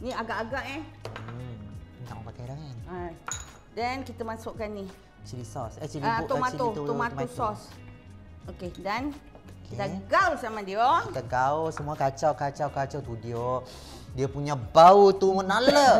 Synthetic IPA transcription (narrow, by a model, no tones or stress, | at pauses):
niaɡaʔaɡaʔɛ | t̪a̰ʔməpakajlaŋana | dankit̪əmasuʔkanːi | t͡ʃiɾisɔsat͡ʃilit̪umaiuit̪umatmusɔs | okedan | kkit̪aɡawsamadioit̪akaohsəmuakat͡ʃawkat͡ʃawkat͡ʃawt̪udio | diapuɲabaut̪umənalə